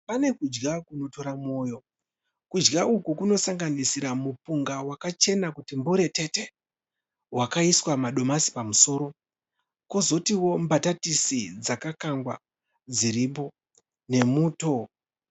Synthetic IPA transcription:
pane̞kud͡ʒɡakuno̞to̞ɾamo̞ːjo̞ | kud͡ʒɡaʔukukuno̞saŋɡanisiɾamupuŋɡawakat͡ʃe̞nakutimbuɾe̞te̞te̞ | wakaiswamaɗo̞masi̥pamuso̞ɾo̞ | kozo̞tiwo̞mbatatisid͡zakakaŋɡwa̰ | d͡ziɾip̬o̞ | ne̞muːto̞

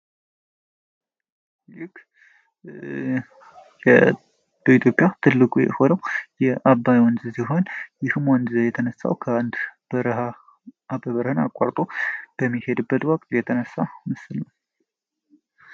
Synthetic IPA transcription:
jɪk | jɛ | b̥əit̪ʰjo̞pʼjat̪ʰɨlːɨkʼujɛ̰ho̞nəwjɛʔabːajwɔnzɨsiɦo̞njɪhmɔnzjɛt̪ʰənəsːa̰wkʰəand̪b̥əɾha | abəβəɾhɨnakʼa̰ɾt̪ʼob̥əmːihe̞d̪ɨbːət̪wɔkʼt̪jɛt̪ʰənəsːamɨsɨlnw

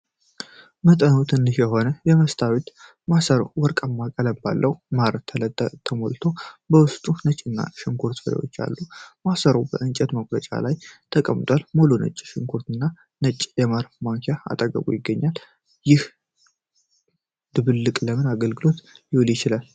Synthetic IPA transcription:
mət̪ʼənowt̪ʰɨnːɨʃjɛɦo̞nəjɛməst̪ʰawit̪ | masəɾəwwɔɾkʼamːakʼələba̰lːʔəwmaɾət̪ʰːələt̪ːət̪ʰːəmolt̪ʰo̞bəwʊst̪ʼunət͡ʃʼɨnːa̰ʃɪŋɡʰuɾt̪fəɾḭwo̞̰t͡ʃːa̰lːumasəɾəwbəʔɨnt͡ʃʼɛt̪məɡlət͡ʃʼa̰lajt̪ʰəkʼəmt̪ʼwalmolonə̰t͡ʃʼːʃɪŋkʰuɾt̪ɨnːa | nət͡ʃʼːjɛmaɾfmaŋkʰaa̰t̪ʼəɡʼə̰kṵjɪɡːəɲːal | jɪh | d̪̥ɨβɨlːɨkʼləmɨnaɡəlɡɨlo̞t̪jɪwljɪt͡ʃɪlal

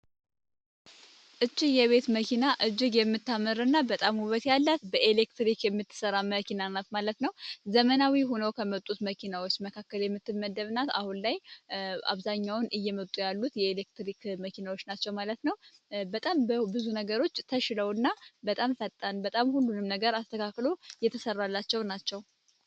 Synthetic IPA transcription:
ʔɨt͡ʃʼːijɛβe̞t̪məkʰinaʔɨd͡ʒːɪɡjɛmːɨt̪ːamɨɾɨnːabət̪ʼamhuβət̪jalːat̪bəʔelekt̪ɾikjɛmːɨt̪ːɨ̥səɾaməkinanat̪malət̪nəwzəmənawiɦo̞nəwkʰəmət̪ʼut̪məkʰinawot͡ʃːməkʰakːəljɛmːɨt̪ːɨmːəd̪əβnat̪ahunlajʔa̰βzaɲːawʊnɨjːɛmət̪ʼujalːut̪jɛelek̚t̪ɾikməkʰinawot͡ʃːnat͡ʃːɛwmalət̪nəwbət̪ʼambəbɨzunəɡəɾo̞t͡ʃːt̪ʰəʃləwɨnːabət̪ʼamfət̪ʼːanbət̪ʼamhulːunɨmnəɡəɾast̪ʰəkʰakːlo̞jɛt̪ʰəsərːalːat͡ʃːɛwnat͡ʃːɛw

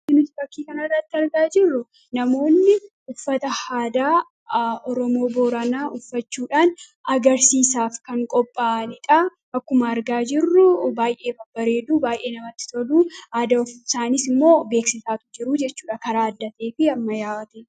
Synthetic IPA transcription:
ɪmʊt̪bɐkːiːkɐnɐrːɐt̪ːɪɐɾɡaːd͡ʒɪrːʊ | nɐmo̞ːnːɪʔʊfːɐt̪ɐhaːd̪aː | ɔɾɔmo̞ːboːɾɐnaːʔʊfːɐt͡ʃːuːᶑaːn | ɐɡɐɾsiːsaːfkɐŋkʼɔpʼːaːnɪᶑ̪ʼa | ɐkːʊmɐɐɾɡaːd͡ʒɪrːʊbaːjʔe̞ːbɐbɐɾe̞ːd̪uːbaːjʔe̞ːnɐmɐt̪ːɪ̥t̪ɔd̪uːhaːd̪ɐʊfɪsaːnisɪmːo̞ːbe̞ːksɪsaːt̪ʊ̥d͡ʒɪɾʊd͡ʒɛt͡ʃːuːᶑɐkɐɾaːɐd̪ːɐt̪e̞ːfɪɐmːɐjaːt̪e

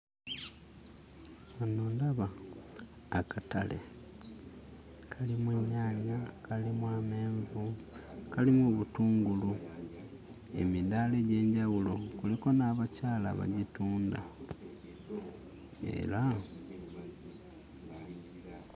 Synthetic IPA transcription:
anoːndaβaː | katale̞̰ | kʰalimweɲaːɲakalimwameːɱvukalimuβutuːŋɡulu | e̞̰midaːle̞ɟe̞ːɲɟawulokuliko̞naːβacaːla̰βa̰ɟituːnda̰ | ḛla

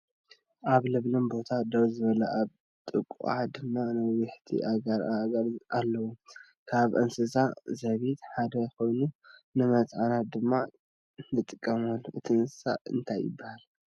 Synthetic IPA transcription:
ʔaβlɨβlɨnbo̞t̪ʰad̪ɐwzɨβɐlɐʔaβ | t̪ʼɨkʼːṵʔad̪ɨmːanɨwɪħt̪ʰḭʔaɡɐɾɐɾʔalːɐwu | kʰaβʔɨnsɨsazɐβit̪ħad̪ɐjxo̞jnunɨmɐt̪ʼʕanat̚d̪ɨmːa | nɨt̪ʼɨkʼːɐmɐlʔɨt̪ʰiɨnsɨ̥sa̰ɨ̰nt̪ʰajɪ̰bːahal

